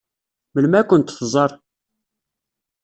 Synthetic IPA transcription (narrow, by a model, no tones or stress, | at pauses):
məlmækʷːʊnt̪fzˤɑɾˤ